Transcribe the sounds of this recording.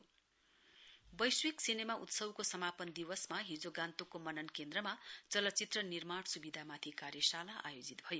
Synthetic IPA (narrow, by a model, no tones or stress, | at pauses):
bʌjswiksinemaʔut̪sʌbkosʌmapʌnd̪iwʌsmaɦid͡zoɡant̪okomʌnʌnkend̪rʌmat͡sʌlʌt̪ːt͡sit̪rʌnirmaɽsubid̪ʱamat̪ʰikarjʌsalaʔa̰jod͡zit̪̚bʱʌjo